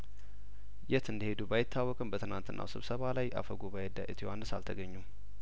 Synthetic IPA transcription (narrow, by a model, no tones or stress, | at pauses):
jɛt̪ɨnd̪əhe̞d̪ubajɪt̪ʰːawːɔkʼɨmbət̪ʰɨnant̪ɨnːʔa̰wsɨβsəβalajʔa̰fəɡubajɛd̪aʔɨt̪ʰiwanɨsa̰lt̪ʰəɡəɲːum